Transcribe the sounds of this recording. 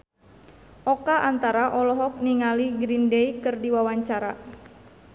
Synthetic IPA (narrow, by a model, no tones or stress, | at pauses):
ʔɔkaʔant̪aɾaʔɔlɔɦɔk̚niŋaliɡɾindeikɨrdiwawaɲt͡ʃaɾa̰